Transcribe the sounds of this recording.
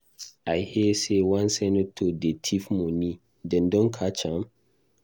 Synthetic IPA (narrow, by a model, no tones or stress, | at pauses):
ajhɛsewãnsɛ̃notʰodetʰifmũni | dɛ̃ndɔ̃nkʰat͡ʃãm